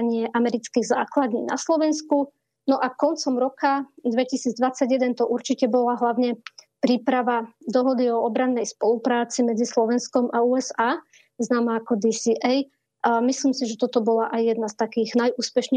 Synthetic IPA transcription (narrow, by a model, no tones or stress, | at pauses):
ɲɪɛʔamɛɾit͡skiːɣza̰ːklad̪ɲḭːna̰slɔʋɛnsku | nɔʔakɔnt͡sɔmɾɔkad̪ʋɛcisiːd͡zd̪ʋat͡saɟjɛd̪ɛnt̪ɔʔuɾt͡ʃicɛbɔlaɦlaʊɲɛpɾiːpɾaʋad̪ɔɦɔd̪iɔɔbɾanːɛjspɔlupɾaːt͡simɛd͡zislɔʋɛnskɔmʔauːɛzaː | znaːmaːkɔd̪isiʔɛj | misliːmsiʒɛt̪ɔt̪ɔbɔlaʔajjɛd̪nast̪akiːɣnajʔuːspɛʃɲ